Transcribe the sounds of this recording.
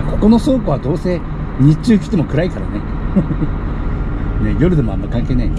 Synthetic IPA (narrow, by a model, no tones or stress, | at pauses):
ko̞̥ko̞no̞so̞ːkoβad̪o̞ːse̞ː | ɲ̟it͡ɕɨːkʲi̥t̪e̞mo̞kɯ̟ɾaikaɾa̰ne̞ | ne̞jo̞ɾɯ̟d̪e̞mo̞a̰mːaikãŋke̞ːnai